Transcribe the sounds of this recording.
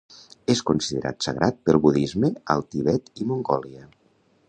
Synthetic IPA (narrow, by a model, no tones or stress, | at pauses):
eskunsiðeɾʔa̰t̪səɣɾʔat̪̚pəlˠβuðizmeəlˠt̪iβɛt̪imuŋɡɔliə